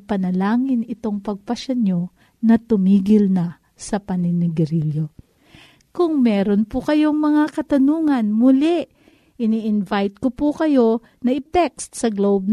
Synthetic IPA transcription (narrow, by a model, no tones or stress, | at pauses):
pɐnɐlaːŋɪnɪt̪o̞ŋpɐɡ̚pɐʃɐno̞ | nɐt̪ʊmiːɡɪlnɐ | sɐpɐnɪnɪɡɛɾiljo | kʊŋmɛːɾonpʊkɐjo̞ŋmɐŋakɐt̪ɐnuːŋɐnmʊlɪʔ | ʔɪniʔɪnvajt̪̚kopʊkɐjo̞ | nɐʔɪt̪ɛkst̪̚sɐɡlowb̚n